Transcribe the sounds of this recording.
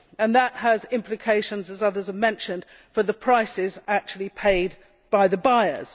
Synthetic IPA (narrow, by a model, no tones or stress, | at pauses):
ə̃nðət̚həzɪ̃mpʰlɨkʰeɪʃə̃nzəzʌðə˞zəvmɛ̃nʃɨ̃nd̥ | fəðəpʰɹ̥aɪsɪzæk̚t͡ʃʉl̩ˠipʰeɪd̚ | b̥aɪðɨbaɪə̰z̥